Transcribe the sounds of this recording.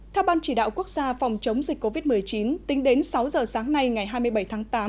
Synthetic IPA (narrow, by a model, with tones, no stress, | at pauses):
t̪ʰɛ˧wɓaː˧nt͡ɕi˧˩ɗa̰ː˧˨wku˦˥ək̚z̥aː˧fa˨˩wŋ͡mt͡ɕə˨˦wŋ͡mzi˨˩k̟ko˧vi˦˥t̚mɨ˨˩əjt͡ɕi˨˦nt̪ï˨˦ŋ̟ɗe˨˦nsa˨˦wzəː˨˩saː˨˦ŋna˧jŋa˨˩jɦaː˧jmɨ˧əjɓə˧˩jt̪ʰaː˨˦ŋt̪aː˨˦m